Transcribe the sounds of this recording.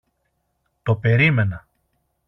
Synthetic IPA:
t̪o̞pe̞ɾime̞nɐ

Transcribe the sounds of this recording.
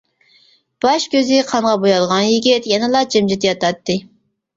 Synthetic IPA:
b̥ɑʃkʲøzɪqʰɑɴʁɑbojɑlˠʁɑnjiɡʲit̪jɛnɨlˠɑd͡ʒemd͡ʒit̪jɑt̪ɑt̪ːɨ

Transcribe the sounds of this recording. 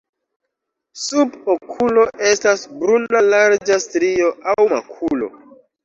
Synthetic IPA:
subokʰulo̞ʔe̞stasbɾunalaɾd͡ʒastɾio̞ʔawma̰kʰulo̞̰

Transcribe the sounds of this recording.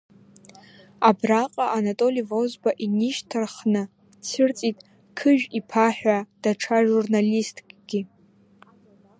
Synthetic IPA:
abraqʼaʔanatʼo̞livozbaʔiniʃtʰɨrχnɨ | t͡sʰɨrt͡sʼitʼ | kʰɨʒᶣipʰaħᶣad̥aʈ͡ʂʰaʒurnalistʼkʼɡ̥ʲi

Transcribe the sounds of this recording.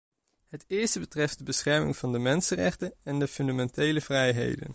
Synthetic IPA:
hɦətɪːɹstəbətrɛftdəbəsχɛɹmɪ̰ŋvɑndəmɛnsənrɛ̰χtəɛndəfʏndamɛntejləvrɛjɦḛjdə̰n

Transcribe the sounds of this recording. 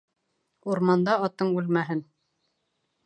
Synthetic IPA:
uɾmɑnd̪ɑɑt̪ːɤɴʉlmæɦɘn

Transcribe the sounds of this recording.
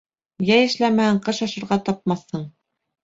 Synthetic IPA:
jæjɘ̆ʃlæmæhæɴqɤʃɑʃɤ̆ɾʁɑt̪ɑp̚mɑθːɤɴ

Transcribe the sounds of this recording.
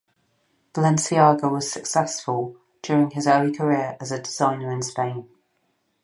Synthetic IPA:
v̥əlɛ̃nsiɑːɡəʊwɒz̥səksɛsfəlˠ | d͡ʒ̥ɔːɹɪ̃ŋɪzɜːlikʰəɹɪəɹəzədɪz̥ãɪ̃nəɹɪ̃nspẽɪ̃n

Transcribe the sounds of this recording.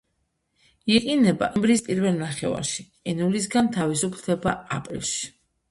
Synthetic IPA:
iɛqʼinɛba̰ʔɛmbɾispʼiɾvɛlˠnaχɛ̰va̰ɾʃi | ɛnulis̬ɡant̪ʰavisupʰld̪ʰɛbaapʼɾḭlˠʃi̥

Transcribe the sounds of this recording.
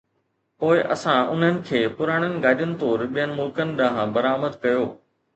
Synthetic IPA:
poːɪʔɐ̰sãʊ̰n̤ənɪ̆kʰeːpʊɾaːɽ̃ənɪ̆ɡaːɗʊnɪ̆t̪oːɾɓijənɪ̆mʊlkənɪ̆ɗɐɦãbɐɾaːməd̪kɐjoː

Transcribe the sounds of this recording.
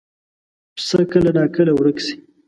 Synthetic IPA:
psəkəlanɑkəlawɽəksi̥

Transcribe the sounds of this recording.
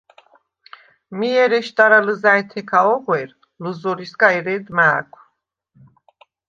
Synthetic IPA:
miɛɾɛʃt̪ʼaɾaləzaɛt̪ʰɛkʰaɔʁwɛɾ | ləzɔɾiskʼaɛɾɛd̪maːkʷʰʼ

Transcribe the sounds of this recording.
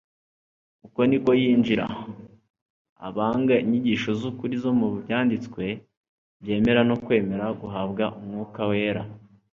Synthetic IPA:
uko̞niko̞jiːnd͡ʒiɾa̰ | a̰βaːŋɡaiɲiɟiːʃo̞zukuɾizo̞muβubjaːndit͡skwe̞ | βje̞ːme̞ɾano̞kwe̞ːme̞ɾaɡuɦabɡaʔumŋuːkawe̞ːɾa

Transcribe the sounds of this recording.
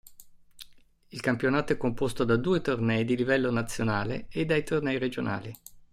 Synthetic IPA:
ilkampjonaːt̪oɛkːompost̪od̪ad̪uːet̪ornɛjd̪ilivɛlːonat̪sːjonaːlḛed̪ːajt̪ornɛjɾed͡ʒonʔa̰ːli

